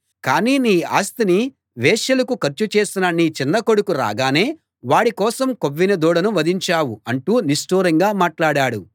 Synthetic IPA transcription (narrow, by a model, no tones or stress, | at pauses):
kaːniːniːa̰ːst̪ini | ʋɛːʃɐlɐkukɐɾt͡ʃut͡ʃeːsinɐnːiːt͡ʃinːɐkoɽukuɾa̰ːɡaːne̞ː | ʋaːɽikɔːsɐmkoʋːinɐd̪ɔːɽɐnuʋɐd̪iɲt͡ʃaːwuɐɳʈuːnisʈuːɾɐŋɡaːmaːʈlaːɽaːɽu